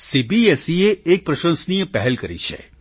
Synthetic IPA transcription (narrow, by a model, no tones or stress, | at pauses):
sibiɛsieek̚pɾɐʃə̃nsnijəpɛɦɛlkəɾḭt͡ʃʰḛ